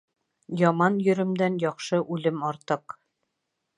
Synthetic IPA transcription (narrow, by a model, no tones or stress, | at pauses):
jɒmɑnjɵ̆ɾɘ̆md̪ænjɒχʃɤʔʉlɘmɒɾt̪ɤq